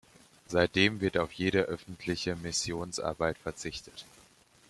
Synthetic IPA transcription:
zaɪt̚d̥eːmvɪɐtaʊfjeːɾəʔœfn̩tʰlɪçəmɪsjoːnsʔa̰ɐbaɪtfɛɐt͡sɪçtʰət

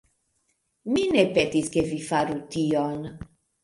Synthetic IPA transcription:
minepetiskevifaɾution

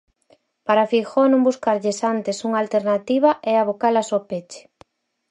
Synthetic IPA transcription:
paɾafixonõmbuskaɾʎɪsant̪esuŋaːlt̪eɾnat̪iβaʔɛaβokalasopet͡ʃe̥

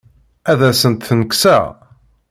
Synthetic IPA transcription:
æðæsənt̪θənəksæ̰

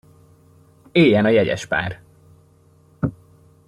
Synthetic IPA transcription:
eːjɛnɒjɛɟɛ̰ʃpa̰ːr

